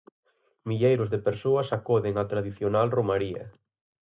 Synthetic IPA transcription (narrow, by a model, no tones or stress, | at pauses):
miʎejɾʊzðɪpeɾsoɐsakɔðɪŋat̪ɾaðiθjonalromaɾiɐ̰